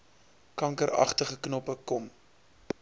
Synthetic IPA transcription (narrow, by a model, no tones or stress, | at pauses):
kɐŋkəɾɐ̰χtəχəknɔpəkɔm